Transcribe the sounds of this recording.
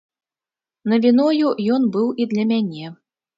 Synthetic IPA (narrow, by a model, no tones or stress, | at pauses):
nɐvʲinɔjujɔnbɨwʔid̪lʲɐmʲanʲɛ